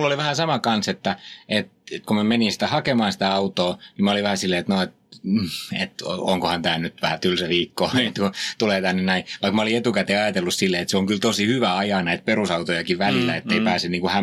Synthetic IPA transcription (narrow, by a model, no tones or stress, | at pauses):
lːoliʋæhæsɑmɑkɑnset̪ːæet̪et̪komæmeninsi̥t̪æhɑkemɑːnsi̥t̪æɑut̪oːnimæoliʋæhæsilːeːet̪noet̪̩̚ː | ḛt̪oŋkohɑnt̪æːnyt̪ʋæhæt̪ylseʋiːkːoːet̪kut̪uleːt̪ænːennæĩʋɑikmæoliet̪ukæt̪eːɑjɑt̪elːussilːeet̪seoŋkylt̪osihyʋæɑjɑnæit̪̚perusɑut̪ojɑkiʋʋælilːˑæ̰et̪ːeipæːseniːkuhæ